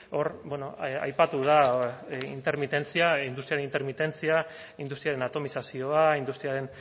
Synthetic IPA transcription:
oɾbonoa̰jpat̪uð̞aḭnt̪e̞ɾmit̪e̞nt͡siaind̪ust̪ɾiaɾenint̪e̞ɾmit̪e̞nt͡sia | ind̪ust̪ɾiaɾe̞nat̪o̞misasio̞aind̪ust̪ɾiaɾe̞n

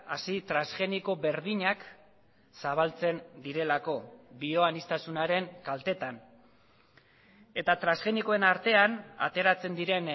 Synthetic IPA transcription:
asit̪ɾasɣe̞niko̞βe̞ɾðiɲak | saβ̞alt͡se̞nd̪iɾe̞lako̞bio̞anist̪asunaɾe̞ŋkalt̪e̞t̪an | e̞t̪at̪ɾansɣe̞niko̞e̞naɾt̪e̞ana̰t̪e̞ɾat͡se̞nd̪iɾe̞n

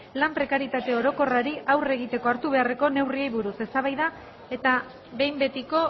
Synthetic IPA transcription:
lampɾe̞kaɾjit̪at̪e̞o̞ɾo̞ko̞raɾiʔawre̞ɣ̞it̪e̞ko̞aɾt̪uβ̞e̞are̞ko̞ne̞wriejβuɾuse̞st̪aβ̞ajða | e̞t̪a | βe̞jmbe̞t̪iko̞

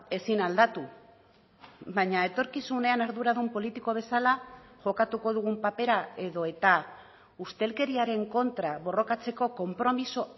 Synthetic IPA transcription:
e̞sinald̪at̪u | βaɲae̞t̪o̞ɾkisune̞anaɾðuɾaðumpo̞lit̪iko̞β̞e̞salaʝo̞kat̪uko̞ð̞uɣ̞umpape̞ɾae̞ðo̞e̞t̪a | ust̪e̞lke̞ɾiaɾe̞ŋko̞nt̪ɾaβo̞ro̞kat͡se̞ko̞ko̞mpɾo̞miso̞

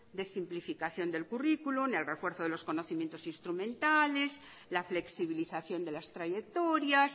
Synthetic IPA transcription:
d̪esimplifikaθjo̞nd̪e̞lkurikulunelrefwe̞ɾθoðelo̞sko̞noθimje̞nt̪osinst̪ɾumẽnt̪ales | lafle̞ksiβ̞iliθaθjo̞nd̪elast̪ɾaʝekt̪oɾjas

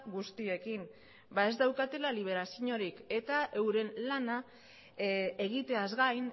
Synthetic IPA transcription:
ɣust̪ie̞kin | bae̞zd̪awkat̪e̞laliβ̞e̞ɾasiɲo̞ɾike̞t̪aʔe̞wɾe̞nlana | e̞ɣit̪e̞azɣajn

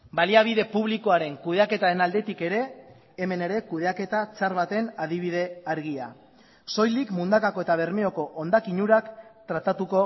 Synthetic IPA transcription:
baliaβ̞iðe̞puβ̞liko̞aɾe̞ŋkuðe̞ake̞t̪aɾe̞nald̪e̞t̪ike̞ɾe̞ː | me̞ne̞ɾe̞kuðe̞ake̞t̪at͡saɾβat̪e̞naðiβ̞iðe̞aɾɣia̰ | so̞jlikmund̪akako̞e̞t̪aβ̞e̞ɾmeo̞ko̞ʔond̪akiɲuɾakt̪ɾat̪at̪uko̞

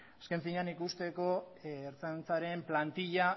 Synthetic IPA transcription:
aske̞ɱfiɲanikust̪e̞ko̞ːɾt͡sant͡saɾemplant̪iʎa

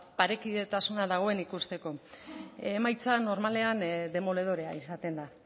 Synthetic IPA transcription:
paɾe̞kiðe̞t̪asunaðaɣ̞o̞e̞nikust̪e̞ko̞ | emajt͡sano̞ɾmale̞and̪e̞mo̞le̞ð̞o̞ɾe̞a̰isat̪e̞nd̪a

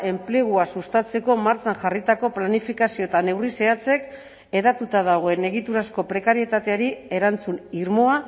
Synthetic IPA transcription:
e̞mple̞ɣ̞uasust̪at͡se̞ko̞maɾt͡sanʝarit̪ako̞planifikasio̞t̪ane̞wrise̞at͡se̞k | e̞ðat̪ut̪að̞aɣ̞o̞e̞ne̞ɣit̪uɾasko̞pɾe̞kaɾie̞t̪at̪eaɾie̞ɾant͡suniɾmo̞a

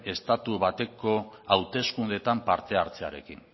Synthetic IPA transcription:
e̞st̪at̪uβat̪e̞ko̞awt̪e̞skund̪e̞t̪ampaɾt̪e̞aɾt͡se̞aɾe̞̰kin

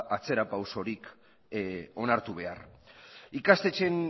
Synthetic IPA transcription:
at͡se̞ɾapawso̞ɾik | o̞naɾt̪uβ̞e̞a̰r | ikast̪e̞t͡ʃe̞n

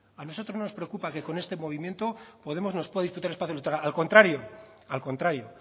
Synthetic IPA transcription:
ano̞so̞t̪ɾoznonospɾeokupake̞ko̞ne̞st̪e̞mo̞β̞imje̞nt̪o̞poðe̞mo̞zno̞spweaðisput̪aɾespaθjolot̪ɾaalko̞nt̪ɾaɾjo̞ | alko̞nt̪ɾaɾjo̞

